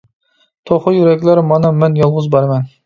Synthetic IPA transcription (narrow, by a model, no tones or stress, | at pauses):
t̪ʰoχəjyɾɛkʲlæɾmɑnɑmɛnjɑlˠʁʊzbɑɾmɛn